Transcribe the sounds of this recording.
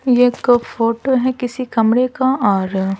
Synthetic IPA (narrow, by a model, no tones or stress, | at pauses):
jekfoːʈoɦɛkɪsikɐmɽekaaːɾ